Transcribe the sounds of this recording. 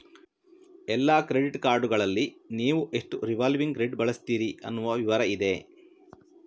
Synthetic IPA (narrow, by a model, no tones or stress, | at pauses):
ɛlːaːkɾe̞ɖiʈkaːɾɖuɡɐɭɐlːiniːʋuʔe̞ʂʈuɾiʋaːlʋiŋɡɾeɖbɐɭɐst̪iːɾiɐ̰nːuʋɐʋiʋɐɾɐid̪e̞